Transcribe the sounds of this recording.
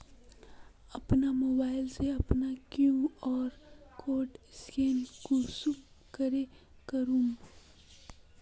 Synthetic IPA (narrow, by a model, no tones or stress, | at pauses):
ɐpnamoːbaːɪlseɐpnakjuɔːɾkoːʈskeːnkusum | kəɾe | kəɾũːm